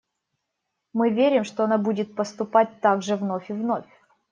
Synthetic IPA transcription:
mɨvʲeɾʲɪmʂt̪oɐnabudʲɪt̪̚pəst̪ʊpat̚ʲt̪aɡʐɨvno̞fʲɪvno̞fʲ

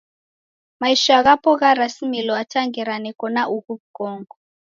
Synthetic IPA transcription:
maiʃaaɣapɔɣaɾasimilɔatʰaŋɡɛɾanɛkɔnaʔuɣuβɡɔːŋɡɔ

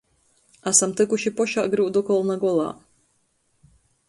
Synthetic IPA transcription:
asamt̪ɨkuʃipɔʃaʔɡɾɨwd̪ɔkɔlˠnaɡɔlˠa̰ː

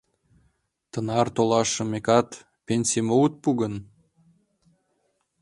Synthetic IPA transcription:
t̪ənɑrt̪olɑʃə̆mekɑt̪ | pʲenʲsʲimout̪̚puɣən

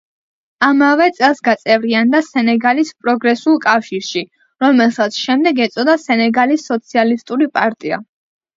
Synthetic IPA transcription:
amavɛt̪sʼɛlˠsɡat̪sʼɛvɾiand̪asɛnɛɡalispʼɾɔɡɾɛsulˠkʼafʃiɾʃi | ɾɔmɛlˠsat̪sʰʃɛmd̪ɛɡɛt̪sʼɔd̪asɛnɛɡalisːɔt̪sʰialist̪ʼuɾipʼaɾt̪ʼia̰

